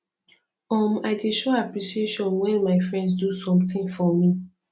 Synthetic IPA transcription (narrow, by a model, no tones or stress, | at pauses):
ɔmaɪdeʃoapɹiʃieʃɔ̃nwɛ̃nmaɪfɹɛ̃ndsdusɔ̃mtɪ̃ŋfɔmi